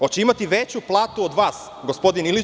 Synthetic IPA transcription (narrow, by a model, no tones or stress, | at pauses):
ot͡ɕeimat̪iʋet͡ɕuplˠaːt̪uod̪ʋaːs | ɡospo̞d̪inili